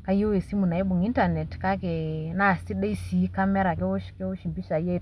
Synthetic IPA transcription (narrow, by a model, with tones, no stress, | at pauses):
ka˦ju˦we˨si˦mu˨na˨i˦bu˨ŋi˦nta˨nɛ˨tka˦ke˨na˦˨si˦ɗe˦i˦si˨˦ka˦mɛ˦ɾa˨kɛ˦u˦ʃkɛ˦u˦ʃi˨mbi˦ʃa˨je˦˨